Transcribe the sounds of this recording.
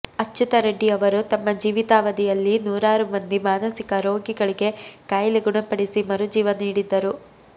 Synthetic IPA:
ɐt͡ʃːut̪ɐɾɐɖːiɐʋɐɾut̪ɐmːɐd͡ʒiːʋit̪aːʋɐd̪ijɐlːinuːɾaːɾumɐnd̪imaːnɐsikɐɾo̞ːɡiɡɐɭiɡe̞kaːjliɡuɳɐpɐɽisimɐɾud͡ʒiːʋɐniːɽid̪ːɐɾu

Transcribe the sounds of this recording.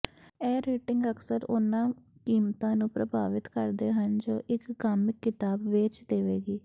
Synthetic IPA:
ɛːɾeːʈɪŋɡəksəɾʊnãːkiːmt̪ãːnũːpɾəbaːʋɪt̪kəɾd̪eːɦənd͡ʒoːʔɪkɡaːmɪkːɪt̪aːbʋɪt͡ʃd̪eːʋeːɡiː

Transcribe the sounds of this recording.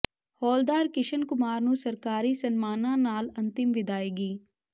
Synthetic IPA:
hɔːld̪aːɾkɪʃənkʊmaːɾnũsəɾkaːɾiːsənmaːnãːnaːlɐ̃nt̪ɪmʋɪd̪aːeːɡiː

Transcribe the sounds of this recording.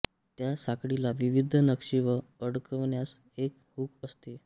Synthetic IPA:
t̪jasakɽilaʋiʋid̪ʱənəkʂiʋəəɽkəʋɳjas | ek | hukəst̪e

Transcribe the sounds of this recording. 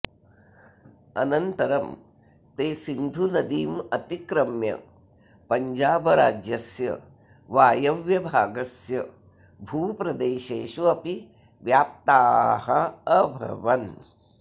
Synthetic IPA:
ɐ̰nɐnt̪ɐɾɐm | t̪eːsind̪ʱunɐd̪iːmɐt̪ikɾɐmjɐ̰ | pɐɲd͡ʒaːbɐɾaːd͡ʒjɐsjɐ̰ | ʋaːjɐʋjɐbʱaːɡɐsjɐ | bʱuːpɾɐd̪eːʃeːʃuɐpi | ʋjaːp̚t̪aːɦɐːbʱɐ̰ʋɐn

